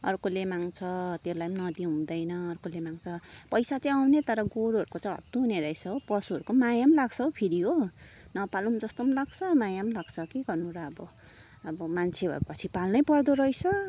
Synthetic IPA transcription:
ʌrkolemaŋt͡sʰʌt̪elajmnʌd̪iɦũd̪ʌjnʌːrkolemaŋt͡sʰʌpʌjsat͡saĩawnet̪ʌɾʌɡoɾuɦʌɾukot͡sãĩɦʌ̰t̪ːuɦuneɾʌjt͡sʰʌopʌsuɦʌɾukomajamlaɡt͡sʰʌopʰiɾiɦo | nʌpalumd͡zʌst̪omlaɡt͡sʰʌmajamlaɡt͡sʰʌkiɡʌrnuɾʌːbʌ | ʌbʌmant͡sʰebʱʌ̰pʌt͡sʰipalnʌjpʌrd̪oɾʌjt͡sʰʌ

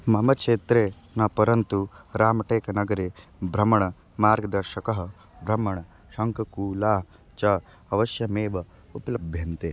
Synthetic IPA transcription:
mɐmɐkt͡ʃʂeːt̪ɾeː | nɐpɐɾɐnt̪uɾaːmɐʈeːkɐnɐɡɐɾeːbʱɾɐmɐɳɐ | maːɾɡɐd̪ɐɾʃɐkɐɦɐ | bʱɾɐmɐɳɐ | ʃɐŋkɐkuːlaːɦ | t͡ʃɐ | ɐʋɐʃjɐmeːʋɐ | upɐlɐbʱjɐnt̪eː

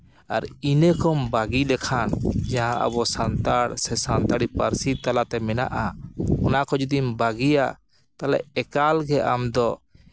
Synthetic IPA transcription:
aɾinəkɔmbaɡilɛkʰand͡ʒaɦãʔə̰bɔsant̪aɽsɛsant̪aɽipəɾsit̪alat̪ɛmɛna̰ʔaɔnakɔd͡ʒud̪imbaɡija̰ | t̪alɛ̰ʔɛkalɡɛʔa̰md̪ɔ

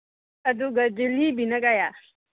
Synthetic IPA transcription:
ɐd̪uɡɐd͡ʒilibʱinɐɡaja

